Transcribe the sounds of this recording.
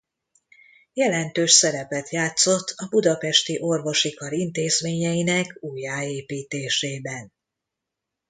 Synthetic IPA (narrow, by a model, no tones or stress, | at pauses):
jɛlɛnt̪øːʃsɛɾɛpɛt̪jaːt̪so̞t̪ʰːɒbud̪ɒpɛʃt̪iʔo̞rvo̞ʃikɒɾint̪eːzmeːɲɛjinɛkuːjaːeːpiːt̪eːʃeːbɛn